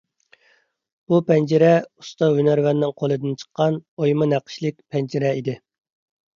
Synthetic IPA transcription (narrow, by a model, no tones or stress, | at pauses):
b̥upʰɛnd͡ʒɪɾɛu̥st̪ɑɦynæɾvɛnːɪŋqʰolˠɨd̪ɪnt͡ʃʰə̥qʰːɑnojmɨnæqʰə̥ʃlɪk̚ʲpʰɛnd͡ʒɪɾɛid̪ɪ